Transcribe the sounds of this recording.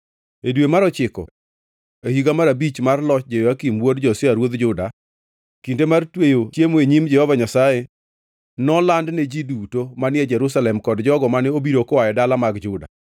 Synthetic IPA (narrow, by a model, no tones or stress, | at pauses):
edwemaɾɔt͡ʃɪkɔ̰ | ehiɡamaɾabit͡ʃmarlɔt͡ʃ̚d͡ʒejoakimwodd͡ʒɔsɪaɾwod̪d͡ʒʊda | kindemartwejot͡ʃjemoeɲimd͡ʒɛhɔvaɲasaje | nɔlandned͡ʒidutomanɪɛd͡ʒɛɾusalɛmkɔdd͡ʒɔɡɔmanɛobiɾokɔwajɛdalamaɡd͡ʒʊda̰